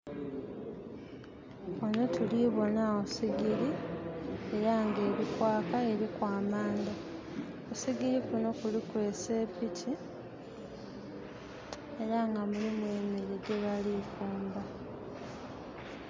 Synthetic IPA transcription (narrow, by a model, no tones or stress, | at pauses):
onotʰuliβo̞naosiɡiɾi | e̞ɾaŋɡe̞ːɾikwaːkae̞ɾikwaːmaːnda | osiɡiɾikuno̞kulikwe̞ːse̞ːpitʰi | e̞ɾaŋɡamulimwe̞ːmeɾeɟe̞βalikuːmba